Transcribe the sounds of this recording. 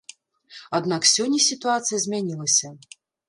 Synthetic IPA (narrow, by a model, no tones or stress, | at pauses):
ad̪naksʲɔnʲːɐsʲit̪uat̪sɨjɐzʲmʲanʲilˠɐsʲɐ